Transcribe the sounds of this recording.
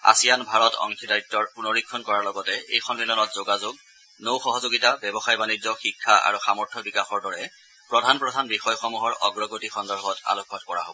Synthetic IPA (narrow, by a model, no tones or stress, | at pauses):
a̰sijanbʱaɹɔtɔ̰ŋkʰidaitːɔɹpunɔɹikʰːɔnkɔɹaɹlɔɡɔtɛḛjxɔnmilɔnɔtzoɡazoɡ̚ | nowxɔɦɔzoɡitabɛbɔxajbanizɔxikʰːaʔa̰ɹuxamɔɹtʰɔbikaxɔɹdɔɹɛ | pɹɔdʱanpɹɔdʱanbixɔjxɔmuɦɔɹɔ̰ɡɹɔɡotixɔndɔɹbʱɔta̰lokʰːɔtkɔɹa̰ɦo̰bɔ